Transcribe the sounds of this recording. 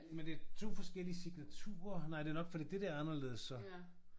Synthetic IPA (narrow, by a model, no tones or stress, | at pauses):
mend̥eæɐt͡sʰo̝̰ːfɒ̽sɡ̥el̰iəsiɡ̥næt͡sʰṵːɐnɑ̈ɪ̰d̥e̝ɐnɒ̽ɡ̥fɒ̽d̥ḭːd̥e̝d̥eɐɑnɐle̝̰ːð̞ˠəsːɒ̽